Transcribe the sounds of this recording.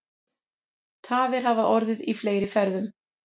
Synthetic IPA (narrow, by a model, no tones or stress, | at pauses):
t̪ʰaːvɪɾ̥havaʔɔɾðɪðifleːjɾɪfɛɾðʏm